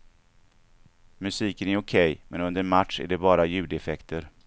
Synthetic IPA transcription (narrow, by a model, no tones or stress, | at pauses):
mɵsiːkənæɾʊkʰɛjmɛnɵnd̪əɾmat̪ʂæ̰ɖɛbɑːɾajʉ̟ːd̪ɛfɛkt̪ʰəɾ